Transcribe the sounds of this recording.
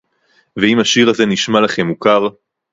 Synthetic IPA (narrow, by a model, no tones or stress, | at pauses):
veimaʃiʁaze̞niʃmalaχe̞mːukaʁ